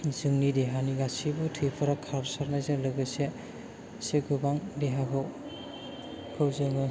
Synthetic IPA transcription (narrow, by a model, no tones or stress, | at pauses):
zɯŋnideɦaniɡasibɔtʰɯjpʰɔɾakʰapsaɾnajzɯlɯɡɯjse | seɡɯbaŋdeɦabɔ | kʰɯwzɯŋɯ